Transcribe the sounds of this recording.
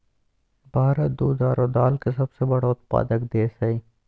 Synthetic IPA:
bʱaːɾət̪̚d̪uːd̪aːɾod̪aːlkesɐbsebɐɽaʊt̪̚pa̰ːd̪əkd̪eːsɐi

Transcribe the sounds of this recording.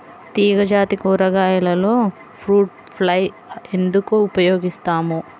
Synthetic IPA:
t̪iːɡɐd͡ʒaːt̪ikɐɾɐɡaːjɐlɐloː | pʰɾuːʈ | pʰlɐj | end̪ukuupɐjoːɡist̪aːmu

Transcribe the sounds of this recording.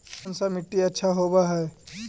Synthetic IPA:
nsamɪʈːiɐtːʃʰaɦoːbaɦɛː

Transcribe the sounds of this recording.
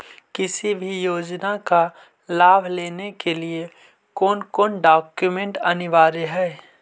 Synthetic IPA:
kɪsibʱijoːd͡ʒnaka | laːbʱleːnekelie | kɔːnkɔːnɖaːkjumẽɳʈɐnɪʋaːɾeɦɛː

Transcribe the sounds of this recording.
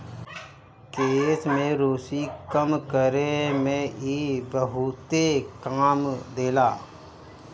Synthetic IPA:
keːsmẽɾoːsikəmkəɾemẽibəɦʊt̪ekaːmd̪eːlaː

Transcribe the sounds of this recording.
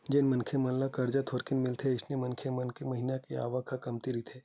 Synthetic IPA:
d͡ʒenmɐnkʰemɐllakɐɾd͡ʒat̪ʰoːɾkɪnmɪlt̪ʰeɪsnemɐnkʰemɐnkʰemɐɦinakea̰ːʋakʰakɐmt̪iɾit̪ʰeː

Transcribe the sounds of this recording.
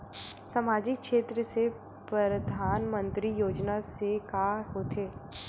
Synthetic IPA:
sɐmaːd͡ʒɪkʃeːt̪ɾəse | pɾɐɾəd̪ʱaːnmə̃nt̪ɾijoːd͡ʒnasekaːɦoːt̪ʰeː

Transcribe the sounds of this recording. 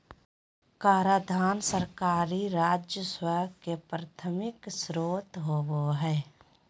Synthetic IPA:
kaːɾaːd̪ʱaːnsəɾkaːɾiɾaːd͡ʒjəswəɾkepɾət̪ʰəmɪksɾoːt̪ɦowoɦɛː

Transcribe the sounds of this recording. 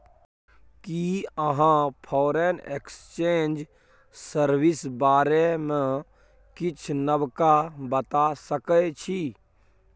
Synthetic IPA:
kiəɦãpʰɔːɾenḛkst͡ʃẽːnd͡ʒ | səɾwɪsbaːɾemẽ | kɪt͡ʃʰnəbkabət̪asəkət͡ʃʰi

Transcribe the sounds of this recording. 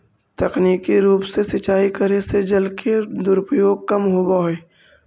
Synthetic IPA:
t̪ɐkniːkiɾuːpsesɪt͡ʃaːikəɾesed͡ʒəlkʰed̪ʊɾpɾəjoːɡ̚kɐmɦoːbaɦeː

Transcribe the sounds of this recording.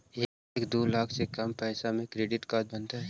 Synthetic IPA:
eː | ekd̪oːlaːkʰsekɐmpɛːsamẽkɾeːɖɪʈkaːd̪̚bɐ̃nt̪aɦɛ

